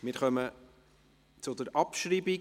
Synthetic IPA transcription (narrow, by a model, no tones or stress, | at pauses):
mɪɾχœmə | t͡sʊdəɾʔɑpʃɾiːbi